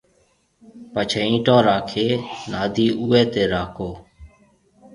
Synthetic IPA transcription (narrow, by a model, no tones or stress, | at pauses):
pət͡ʃʰeːĩːʈõːɾaːkʰeːnaːd̪ʱiːʔuːɛːt̪eːɾaːkoː